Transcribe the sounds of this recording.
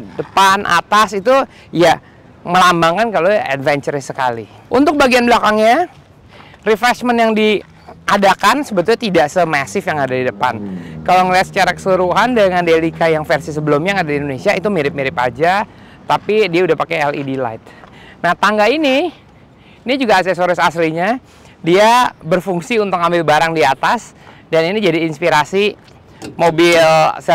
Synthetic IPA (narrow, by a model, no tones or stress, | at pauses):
dəpanʔa̰t̪asit̪u | ja | məlambaŋkankaloɛ̰dvɛɲt͡ʃəɾsəkalḭ | ʔunt̪ʊk̚baɡianbəlakaŋɲa | rifɾɛsmənjaŋdi | ʔadakansəbət̪ulɲat̪idaʔsəmasɪfjaŋadadidəpa̰nkaloŋəliat̪sət͡ʃaɾakə̥suɾuɦandəŋandelikajaŋfɛrsis̬əbəlʊmɲaŋadadiːndonesiait̪umiɾɪp̚miɾɪpa̰d͡ʒa | t̪apidiaudahpakeɛlidila̰ɪt̪̚naht̪aŋɡaini | nid͡ʒuɡasɛsoɾɪsasliɲa | diabərfuŋsiunt̪ʊkambɪlbaɾaŋdiat̪asdaninid͡ʒadiːnspiɾasi | mobɪls